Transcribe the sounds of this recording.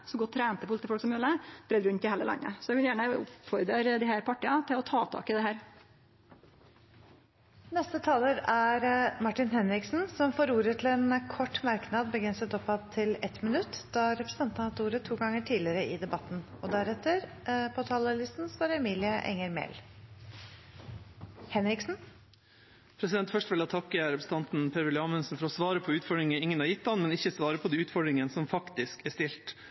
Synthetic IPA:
sɔɡɔt̪ʰːɾæːnt̪əpʊlt̪ɪfɔlksɔmjøləb̥ɾɛːd̪ɾʉnt̪ɪhæːləlʔɑ̰ŋːə̰sɔɛkɑnjæːɳəʊ̰pfɔɾd̪ɾeɾd̪ɪhæːɾpʰɑʈəɑt̪ʰɪlɔt̪ʰɑːt̪ʰɑ̰ːkəd̪ɛɦæːɾ | nɛst̪ət̪ʰɑːləɾæɾmɑʈːɪnɦɛnɾɪksn̩sɔmfoːɾuːɾət̪ʰɪlɛnkʰɔʈːmɑɾknɑd̪bəɡɾɛnsət̪ɔpːɑt̪ʰːɪlɛt̪mɪnʉt̪ːd̪̥ɑɾɛpɾəst̪ɑnt̪nɑt̪uːɾət̪ʰuːɡɑŋəʈʰiːlɪəɾəʔɪd̪ɛbɑt̪ːn̩ɔd̪æɾɛt̪əɾpʰɔt̪ʰɑləlɪst̪nsʋɑːɾɛmiːlɪəʔɛ̰ŋːəɾmɛ̰l | hɛnɾɪksn̩ | pʰɾɛsɪd̪ɛnt̪fœʂtʋɛlɑt̪ʰɑkːəɾɛpɾəst̪ɑnt̪npʰeɾʋɛlɪɑːmənsn̩fɔɾɔsʋɑːɾəpʰɔʉːt̪fɔɖɾɪŋəɪŋːənhɑɾjɪt̪ːɑnmɛnɪçəsʋɑːɾəpʰɔd̪ɛːʉːt̪fɔɖɾɪŋənsɔmfɑkt̪ɪskɛʂt̪ɪlt̪

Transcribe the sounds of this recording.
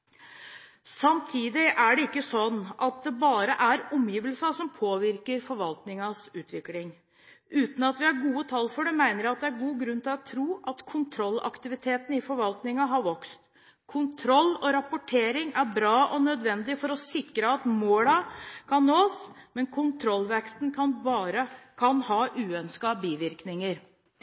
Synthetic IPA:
sɑmt̪ʰiːd̪ɪʔæɖɛɪkːəsɔnːʔɑt̪̚d̪ɛbɑːɾəʔæɾɔmjiːʋəlsɑsɔmpʰoːʋɪɾkəɾfɔɾʋɑlt̪nɪŋɑsʉːt̪ʋɪklɪŋ | ʔʉːt̪n̩ɑt̪ʋɪæɾɡuːət̪ʰɑlːfɔɖɛmæɪnəɾjæɑt̪̚d̪ɛæɾɡuːɡɾʉnt̪ʰɪlɔt̪ʰːɾuːʔɑt̪kʰʊnt̪ʰɾɔlːɑ̰kt̪ɪʋɪt̪ʰeːt̪n̩ɪfɔɾʋɑlt̪nɪŋɑɦɑɾʋɔkst̪ | kʰʊnt̪ʰɾɔlːɔɾɑpʊʈʰeːɾɪŋæɾbɾɑːʔɔnœd̪ʋɛnd̪ɪfɔɾɔsɪkɾəɑt̪moːlɑkʰɑnːoːsmɛnkʰʊnt̪ʰɾɔlːʋɛkst̪nkʰɑnbɑːɾəkʰɑnhɑːʔʉːœnskɑbiːʋɪɾknɪŋəɾ

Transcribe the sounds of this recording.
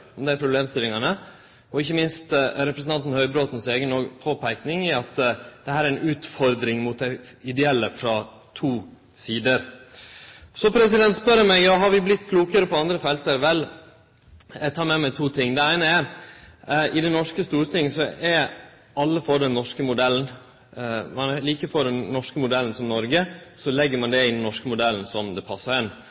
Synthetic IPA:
ɔmd̪ɛæɾpʰɾʊbleːmst̪ɪlːɪŋɑnə | ɔɪçːəmɪnst̪ɾɛpɾəsən̩t̪ɑnt̪n̩hœʏbɾoːt̪n̩seːɡənɔɡpʰoːpʰæɪknɪŋɪɑt̪d̪̥ɛhæːɾæɾɛnʉːt̪fɔɾd̪ɾɪŋmʊt̪̚d̪æ | ɪd̪ɛɛlːəfɾɑ | t̪ʰuː | siːd̪əɾ | sɔpʰɾɛsɪd̪ɛnt̪spœɾəmɛɡjɑːɦɑɾʋɪblɪt̪ːkʰluːkəɾəpɔɑnd̪ɾəfɛlt̪əɾʋɛlː | ɛɡt̪ʰɑːɾmɛmæt̪ʰuːt̪ʰɪŋːd̪ɛæɪnəæɾ | ʔɪd̪ɛnːɔʂkəst̪uːɾət̪ʰɪŋsɔʔɛɾ | ɑlːəfoːɾɖ̪ɛnːɔʂkəmʊd̪ɛln | mɑnliːkəfoɖ̪ɛnnɔʂkəmʊd̪ɛlːn̩sɔmnɔɾɡəsɔlɛɡːəɾmɑnd̪ɛɪnːɪnɔʂkəmʊd̪ɛln̩sɔmd̪ɛpʰɑsːəɾɛn

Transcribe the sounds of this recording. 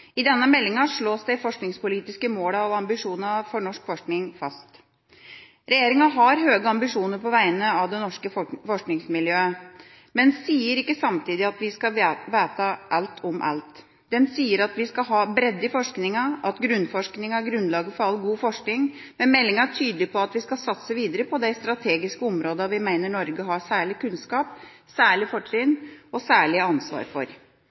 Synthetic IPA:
ɪd̪ɛnːəmɛlːɪŋɑʂɭoːsd̪æɪfɔʂknɪŋspʊliːt̪ɪskəmoːlɑʋɑmbɪʂuːnɑfɔɳɔʂkfɔʂknɪŋfɑst̪ | ɾɛjeːɾɪŋɑɦɑɾɦøːɡəɑmbɪʂuːnəɾpɔʋæɪənəɑʋd̪ɛnɔʂkəfɔʂknɪŋsmɪljøːə | mɛnsiːəɾɪkːəsɑmt̪ʰiːd̪ɪɑt̪ʋɪskɑʋeːt̪əʔɑlt̪ʰɔmʔɑ̰lt̪ | d̪ɛnsiːəɾɑt̪ʋɪskɑɦɑːbɾɛd̪ːəfɔʂknɪŋɑʔɑt̪ɡɾʉnfɔʂknɪŋæɾɡɾʉnlɑːɡəfɔɾɑlːɡuːfɔʂknɪŋ | mɛmɛlːɪŋɑʈʰyːd̪əlɪpʰɔɑt̪ʋɪskɑsɑt̪səʋiːd̪əɾəpʰɔd̪æɪst̪ɾɑt̪ʰeːɡɪskəɔmɾoːd̪ɑʋɪmæɪnəɳɔɾɡəɦɑsæːɭɪkʉnskɑːp | sæːɭɪfɔʈɾɪnɔsæːɭɪəɑnsʋɑ̰ːɾfɔ̰ɾ

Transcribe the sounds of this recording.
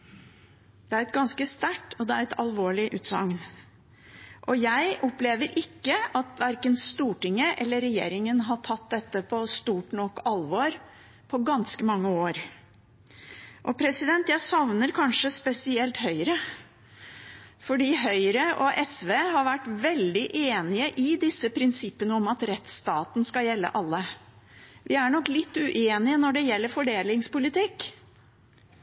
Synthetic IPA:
d̪̥ɛæɾɛt̪ɡɑnskəst̪æʈːʰɔd̪ɛæɾɛt̪ʰɑlʋoːɭɪʔʉːt̪sɑ̰ŋn | ʔɔjæɪʔɔpleːʋəɾʔɪkːəɑt̪ʋæɾkənst̪uːʈɪŋːəʔɛlːəɾɛjḛːɾɪŋənɦɑʈʰɑt̪̚d̪ɛt̪ːəpʰɔst̪uːʈnɔkːɑlʋɔɾ | pʰɔɡɑnskəmɑŋːəoːɾ | ʔɔpʰɾɛsɪd̪ɛnt̪jæɪsɑʋnəɾkʰɑnʂəspɛsɪɛlt̪hœʏɾə | fɔɖiːɦœʏɾəʔɔʔɛsʋeːhɑɾʋæʈːʋɛld̪ɪʔeːnɪəʔɪd̪ɪsːəpʰɾɪnsɪpːənəɔmɑt̪ɾɛt̪st̪ɑːt̪n̩skɑjɛlːə̰ʔɑlːə | ʋɪæɳɔklɪt̪ːʉʔeːnɪənɔɖɛjɛlːəɾfɔɖeːlɪŋspʊlɪt̪ʰɪkː

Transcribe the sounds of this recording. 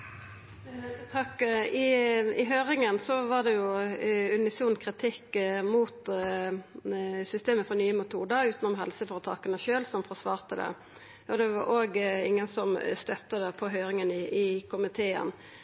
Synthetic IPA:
t̪ʰɑkːɪɪɦøːɾɪŋənsɔʋɑʁd̪ɛjʊʉnɪsuːnkʰʁɪt̪ʰɪkːmuːt̪ | sʏst̪eːməfɾɔnyːəmʊt̪ʰuːd̪əʉːt̪nʊmɦɛlsəfɔʁt̪ʰɑːkənəʃøːlsɔmfɔʁsʋɑːʁt̪əd̪ɛ̰ | ɔd̪ɛʋɑ̰ɾʔoːɡɪ̰ŋːənsɔmst̪œt̪ːəd̪ɛpʰɔɦøːɾɪŋənɪʔɪkʰʊmɪt̪ʰeːə̰n

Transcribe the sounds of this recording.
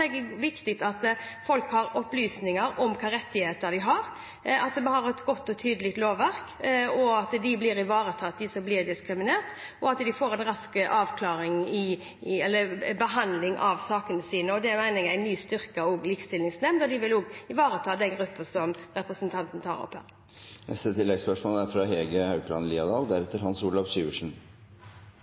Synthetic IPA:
ɛɡəʋɪkt̪ɪt̪ɑt̪fɔlkhɑɾɔplyːsnɪŋəɾɔmkʰɑːɾɛt̪ːɪheːt̪əɾd̪ɪɦɑɾ | ɑt̪mɛnhɑɾɛt̪ɡɔt̪ːɔt̪ʰyːd̪əlɪɡt̪loːʋːæɾkɔɑt̪d̪ɪblɪɾɪʋɑːɾət̪ʰɑːd̪ɪsɔmblɪːɾd̪ɪskɾɪmɪneːʁt̪ɔɑt̪d̪ɪfoːɾɛnɾɑskəʔɑːʋkʰlɑːɾɪŋɪ | ɛlːəɾbəɦɑnd̪lɪŋʔɑʋsɑːkənəsiːnəɔd̪ɛmæɪnɪŋæɪnyːst̪ʏɾkəɔːɡliːkst̪ɪlnɪŋsnɛmnd̪ɔd̪ɪʋɪloːɡɪʋɑːɾət̪ʰɑːd̪ɛnɡɾʉpːəsɔmɾɛpɾəsənt̪ʰɑnt̪ən̩t̪ʰɑ̰ːɾɔ̰phø̰ːɾ | nɛ̰st̪ət̪ʰɪlːɛɡspœʂmoːləæɾfɾɑɦeːɡəhɑʉkʰlɑ̰nliːɑd̪ɑːld̪æɾɛt̪ːəɾhɑnsuːlɑʋsʉːoʂn̩

